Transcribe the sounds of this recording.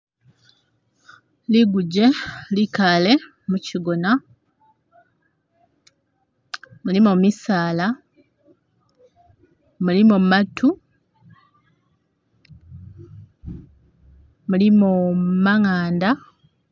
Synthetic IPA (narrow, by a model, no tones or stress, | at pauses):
liɡuɟe̞likale̞ | muciɡona | mulimomisaːla | mulimomatʰu | mulimomaŋaːnda